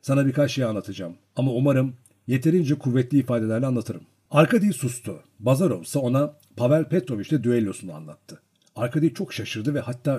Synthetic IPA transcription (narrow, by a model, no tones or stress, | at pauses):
sanabiɾkat͡ʃʃe̞janlˠat̪ʰad͡ʒaːm | amaumaɾɯm | je̞t̪ʰe̞ɾind͡ʒɛkʰuvːɛt̪lʲiːfaːd̪e̞lʲæɾlʲɛanˠat̪ʰɯɾɯm | aɾkad̪ijisust̪ʰu | bazaɾo̞̰vsao̞na | pʰavælʲpʰɛt̪ɾo̞vit͡ʃlɛd̪yelʲjo̞suna̰nlˠa̰t̪ʰːɯ̥ | aɾkʰad̪ijit͡ʃʰo̞kʃaʃɯɾd̪ɯvɛhat̪ʰːaː